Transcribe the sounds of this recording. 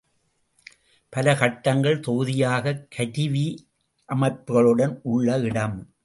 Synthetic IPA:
pɐlɐkɐʈːɐŋɡɐɭt̪ɔɣɯðɪjaːɣɐkʰɐɾɪʋi | ʔɐmɐɪpɯɣɐɭɯɽɐnʊɭːɐɪɽɐm

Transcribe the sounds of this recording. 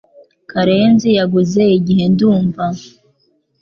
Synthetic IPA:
kaɾeːnzijaɡuze̞iɟiɦe̞nduːɱva

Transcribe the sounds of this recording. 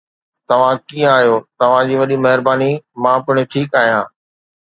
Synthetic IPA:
t̪ɐʋ̤ãkiːə̃aːɦijot̪ɐʋ̤ãd͡ʑiːʋɐɗimɐɦɪɾbaːnimãpʊɽ̃ɪʈʰiːkaːɦijãː

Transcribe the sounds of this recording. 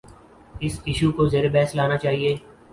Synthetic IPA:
ɪsɪʃukozeːɾebɛːslaːnat͡ʃaːɦieː

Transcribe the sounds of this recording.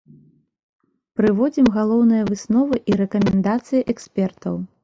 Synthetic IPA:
pɾɨvɔd͡zʲimɣalˠɔwn̪ɨjɐvɨsnɔvɨʔiɾɛkɐmʲɛnd̪at̪sɨjiʔɛksʲpʲɛrt̪ɐ̰w

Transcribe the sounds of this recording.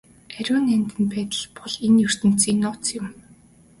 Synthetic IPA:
æɾʲʊːnænʲt̪ɘ̆npæːt̪ə̆ɮpɔɮenjɵr̥t̪ɘ̆n̥t͡sinʊt͡sjɪ̆m

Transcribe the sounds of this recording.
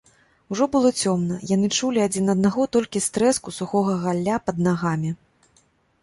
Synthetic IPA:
uwʐɔbɨlˠɔt͡sʲɔmnɐjanɨt͡ʂulʲiad͡zʲinɐd̪̚naɣɔt̪ɔlʲkʲist̪ɾɛskusuxɔɣɐɣalʲːapɐd̪̚naɣamʲi

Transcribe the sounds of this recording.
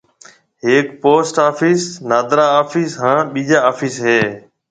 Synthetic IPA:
ɦeːkpoːsʈaːfʰiːsnaːd̪ɾaːaːfiːsɦãːɓiːd͡ʒaːaːfiːsɦeː

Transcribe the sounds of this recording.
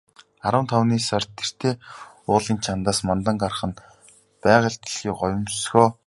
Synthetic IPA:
aɾə̆mnt̪ʰawniːsar̥t̪ʰːer̥t̪ʰeː | ʊːɮiːnt͡ɕʰant̪aːsmant̪ə̆ŋɢarχə̆n | pæːʁə̆ɮt̪̆ɮxiːkɔjʲʊ̆msxoː

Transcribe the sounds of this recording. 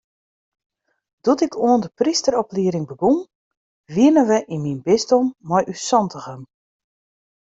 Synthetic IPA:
d̥utɪkʰuəndəpristəɾɔpliəɾɪŋbəɡum | ʋiənəʋəʔinminbɪstɔmːɔjʔysɔntʰəɣəm

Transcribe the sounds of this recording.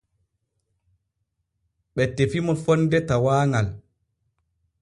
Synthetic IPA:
ɓɛtːefimɔfɔndɛtawaːŋal

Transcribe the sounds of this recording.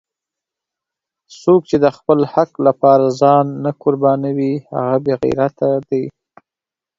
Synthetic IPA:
sok̚t͡ʃed̪əxpəlhaklapɑɾazɑnːakʊɾbɑnawiha̰ɣabeɣḭjɾat̪ad̪aj

